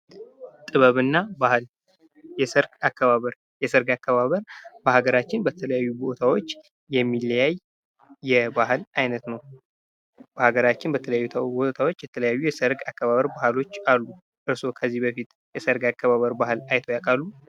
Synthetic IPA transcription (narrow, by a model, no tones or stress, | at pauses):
t̪ʼɨβəβɨnːabahɨl | jɛsəɾɡakːəβaβəɾ | jɛsəɾɡakːəβaβəɾbəhaɡəɾat͡ʃːɪnbət̪ʰələjajːubo̞t̪ʰawo̞t͡ʃː | jɛmːiljajː | ɛbahɨlʔajnət̪nəw | b̥əhaɡəɾat͡ʃːɪnbət̪ʰələjajːut̪ʰbot̪ʰawot͡ʃːjɛt̪ʰələjajːujɛsəɾɡakːəβaβəɾbahlo̞t͡ʃːalːu | ʔɨɾso̞kʰəzːihbəfit̪ | jɛsəɾɡakːəβaβəɾbahɨlajt̪ʰojakʼalːu